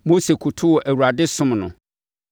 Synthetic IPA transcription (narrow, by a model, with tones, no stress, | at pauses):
mo˦se˨kʰʊ˨tʰʊ˦wɔ˨ʔæ˨wu˨ɾa˨dɪ˦sʊ̃˦mnʊ̰̃˨